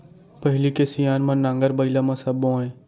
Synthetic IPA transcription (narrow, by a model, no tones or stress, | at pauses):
pəɦɪlikesijaːnmãnãːŋɡəɾbəɪlamãsɐbːõːẽː